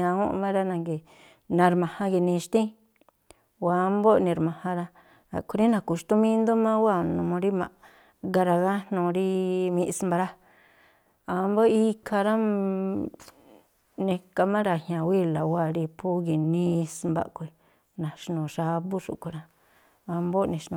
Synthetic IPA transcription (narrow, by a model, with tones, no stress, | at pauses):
ã˧ũ˦˧mã˦ɾa˧nã˧ŋɡi˨ | nã˧ɾmã˨hã˧ɡi˧nĩ˧ʃt̪ĩ˦ | wa˧˦mbo˦nĩ˧ɾmã˧hã˧ɾa˧ | a̰˨ku˧ɾi˦nã˧˨ku˧ʃt̪u˦mĩ˦nd̪o˦mã˦wa˦˨nũ˧mõ˧ɾi˦mã̰˨ | ɡa˧ɾa˧ɣa˦nnũ˧ɾi˦mĩ˧ʔsmba˧ɾa˦ | a˧mbo˦i˧kʰa˧ɾa˦ | nẽ˧ka˧mã˦ɾa˧˨hjã˨wi˦la˨wa˦˨ɾi˧pʰu˦ɡi˧˨nĩ˦˧smba̰˧ʔkʷu˧i˨˧ | nã˨ʃnũ˨ʃa˧˦bu˦ʂṵ˨ku˨˧ɾa˧ | a˧mbo˦nĩ˧ʃnũ˧˨